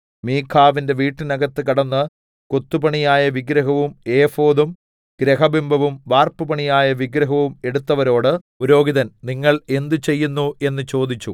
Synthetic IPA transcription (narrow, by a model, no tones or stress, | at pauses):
miːkʰaːʋinde̞ʋiːʈːɨnɐɡɐt̪ːɨkɐɽɐnːɨ | kot̪ːubɐɳijaːjɐʋiɡɾɐɦɐʋume̞ːfo̞ːðum | ɡ̥ɾeɦɐbimbʱɐʋumʋaːrpɨpɐɳijaːjɐʋiɡɾɐɦɐʋume̞ɽut̪ːɐʋɐɾo̞ːɽɨ | uɾo̞ːɡiðɐnniŋːɐɭe̞nd̪ɨt͡ɕe̞jːunːue̞nːɨt͡ɕo̞ːd̪it͡ɕːu